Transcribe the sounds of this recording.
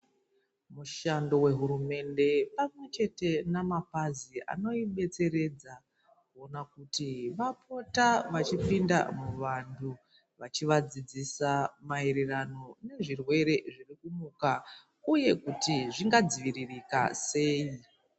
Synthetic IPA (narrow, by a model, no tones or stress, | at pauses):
muʃando̞we̞ɦuɾume̞nde̞pamwe̞t͡ʃe̞te̞namapaziʔa̰no̞iɓe̞t͡se̞ɾe̞d͡za | kkuo̞nakutiʋapo̞taʋat͡ʃipinda̰muʋantʰu | ʋat͡ʃiʋad͡zid͡zisamaeɾerano̞ne̞ʐirwe̞ɾe̞ʐirikumuka | uje̞kutiʐiŋɡad͡ziʋiririka̰se̞ːi